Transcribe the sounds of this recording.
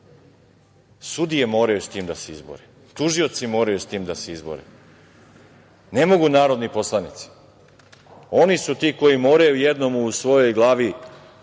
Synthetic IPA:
sud̪ije̞mo̞ːɾajust̪iːmd̪aseizbo̰ɾe | t̪uʒio̞t̪simo̞ːɾajust̪iːmd̪aseizbo̰ɾḛ | ne̞mo̞ɡunaːɾo̞d̪nipo̞slˠanit̪si̥ | o̞nisut̪iːko̞jimo̞ːɾajujed̪no̞muːsʋo̞jo̞jɡlˠaːʋi

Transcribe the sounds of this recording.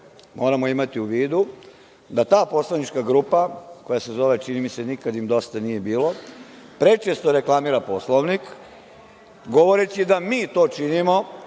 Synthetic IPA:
mo̞ːɾamo̞imat̪iuʋiːd̪u | d̪at̪aːpo̞slˠaʋnit͡ʃkaɡɾupako̞jase̞zo̞ʋe̞t͡ʃinimise̞nikad̪imd̪o̞st̪anije̞biːlo̞ | pɾe̞t͡ʃest̪oɾe̞klˠamiɾapo̞slˠoʋnik | ɡo̞ʋo̞ɾet͡ɕid̪amiːt̪o̞ːt͡ʃinimo̞

